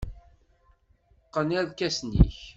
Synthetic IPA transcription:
qːənæðkæsnḭç

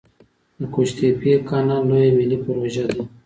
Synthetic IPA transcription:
d̪əkoʃt̪epiekanalojemilipəɾoʒad̪i

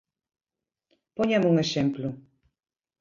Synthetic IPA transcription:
ponʲɑmuŋĕʃemplu

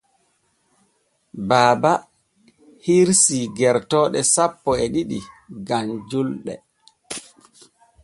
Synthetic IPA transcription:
baːba | hiɾsiɡɛɾtɔːɗɛsapːɔɛɗiɗiɡand͡ʒulɗɛ̰

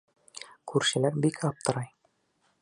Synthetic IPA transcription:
kʰʉɾʃɘ̆læɾbikʰɑp̚t̪ɤ̆ɾɑj

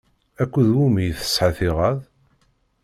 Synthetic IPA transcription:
ækʷːəðwumijθə̥sħəθɪʁəð

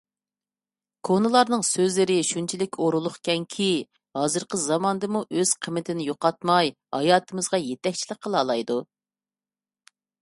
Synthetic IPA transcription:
kʰonɨlˠɑɾnɨŋsøzlɪɾɪʃunt͡ʃʰilɪkʲoɾulˠʊχkʲʰɛŋkʲʰi | hɑːzɨɾqʰəzɑmɑnɨd̪ɨmuʔøz̥qʰəmːɪt̪ʰɪnɪjoqɑt̪̚mɑj | hɑjɑːt̪ʰɨmɨzʁɑjet̪ʰɛk̚ʲt͡ʃʰiləqqːəlˠɑːlˠɑjd̪u

